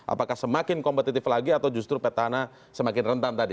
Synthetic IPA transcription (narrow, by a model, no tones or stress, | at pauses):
ʔa̰pakahsəmakɪnkɔmpət̪it̪ɪflaɡiat̪awd͡ʒust̪ɾupɛt̪ana | səmakɪnrənt̪ant̪adi